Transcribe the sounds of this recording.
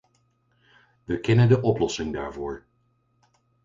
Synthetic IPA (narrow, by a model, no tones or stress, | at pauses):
ʋəkɛnəndəʔɔplɔsɪŋda̰ːɹvʊːɹ